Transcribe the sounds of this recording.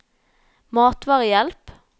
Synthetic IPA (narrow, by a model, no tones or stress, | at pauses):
mɑːt̪ʋɑːʁəjɛlp